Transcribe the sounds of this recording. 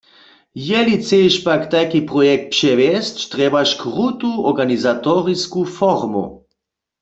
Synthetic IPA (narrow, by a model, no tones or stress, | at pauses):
jɛlit͡seʃpakt̪ajkipʁɔjɛk̚t̪̚pʃɛvɛstt̪ʁɛbaʃkʁut̪uɔʁɡanizat̪ɔʁiskufɔʁmṵ